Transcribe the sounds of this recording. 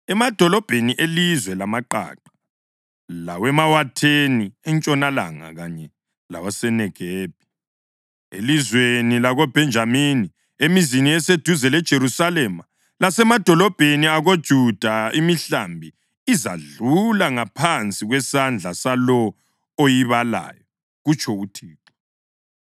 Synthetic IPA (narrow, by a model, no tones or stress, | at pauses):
ɛmad̥ʱɔlɔb̥ʱeniʔelizwɛlamaǃa̰ːǃḁ | lawɛmawatʰeniɛnt͡ʃʼɔnala̰ŋa̰ɣaɲɛ | la̰wasɛnɛɡ̥ʱeːb̥ʱi | ḛlizwenilaɣɔb̥ʱɛnd͡ʒʱamini | emiziniɛsed̥ʱuzɛlɛd̥ʒ̥ʱeɾusalɛma | lasɛmad̥ʱɔlɔb̥ʱeniaɣod̥ʒ̥ʱud̥ʱaimiɬa̰mbʱiː | za̰ɮulaŋapʰant͡sʼiɣwɛsand͡ɮʱasalɔ | ojiβala̰jɔ | ɣut͡ʃʰʼɔutʰiːǁɔ